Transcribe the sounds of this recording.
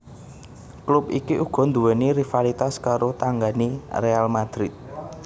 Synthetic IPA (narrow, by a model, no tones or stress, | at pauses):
klup̚ḭkiʔuɡ̥ɔ̤nd̪uwɛnirifalit̪askaɾot̪aŋɡanirealmad̪̥ɾɪt̪̚